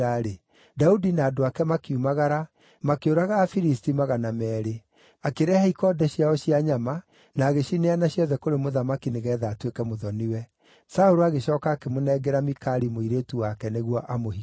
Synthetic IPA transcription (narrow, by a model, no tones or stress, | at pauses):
aɾe | daudinaːdoakɛmakiumaɣaɾa | makeoɾaɣaːfiɾistimaɣanamɛːɾe | akeɾɛhaikɔdɛɕiaɔɕiaɲama | naːɣeɕineanaɕjɔðɛkoɾemoðamakineɣɛːðaːtwekɛmoðɔniwɛ | saoɾoaɣeɕɔːkaːkemonɛɡɛɾamikaɾimoiɾetuwakɛneɣwɔʔamoɦi